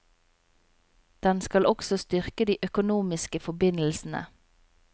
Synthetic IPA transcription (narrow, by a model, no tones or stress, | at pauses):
d̪̥ɛnskɑlʔɔksɔst̪ʏʁkəd̪iːʔœkʊnuːmɪskəfɔbɪnl̩sn̩ə̰